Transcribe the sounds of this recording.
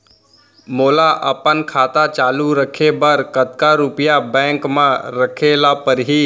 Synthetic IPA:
moːlaʔəpənkʰaːt̪at͡ʃaːluɾəkʰebəɾkət̪̚kaɾʊpjabɛ̃ːŋkmãɾəkʰelapəɾɦiː

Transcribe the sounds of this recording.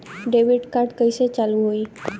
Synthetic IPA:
ɖeʋiɖkaɾʈkəjset͡ɕaluɦoi

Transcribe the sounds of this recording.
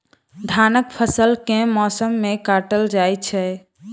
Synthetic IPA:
d̪ʱanəkpʰəsəlkẽmɔsəmːekaʈəld͡ʒajt͡ʃʰɛ

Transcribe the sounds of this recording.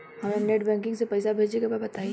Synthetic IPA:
hɐmẽneʈbɛ̃ːŋkɪ̃ŋɡsepɛɪsabʱeːd͡ʒekababɐt̪aːi

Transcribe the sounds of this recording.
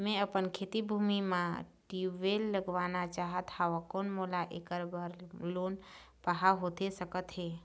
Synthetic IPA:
mẽəpənkʰeːt̪ibʱuːmimãʈiʋelːəɡʋaːnat͡ʃaːɦət̪haʋakoːnmolaʔekəɾbaɾloːn | pəɦaɦot̪esəkət̪ɦɛː

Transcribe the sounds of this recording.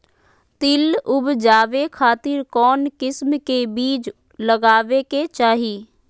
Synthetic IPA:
t̪ɪlʊbd͡ʒaːʋekʰaːt̪ɪɾkɔːnkɪsmkebiːt͡ʃ | ləɡaːʋeket͡ʃaːɦiː

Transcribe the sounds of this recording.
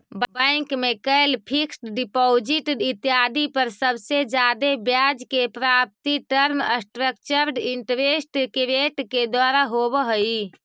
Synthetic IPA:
bbəŋkmekəelpʰiksʈɖipod͡ʒiʈit̪jad̪ʱipəɾsəbsed͡ʒad̪ebjad͡ʒkepɾap̚t̪iʈəɾməsʈɾəkt͡ʃəɾɖiɳʈəɾesʈkɾeʈked̪waɾaɦobəɦəi

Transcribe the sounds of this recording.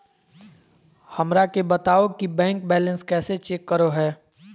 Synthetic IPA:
hɐmɾakebət̪aːokibɛ̃ːŋk̚bɛːlə̃nskɛːset͡ʃeːkːəɾoɦɛː

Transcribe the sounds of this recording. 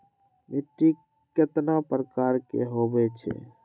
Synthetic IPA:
miʈi | kːet̪napɾəkaɾkḛɦobɛt͡ʃʰɛ̰

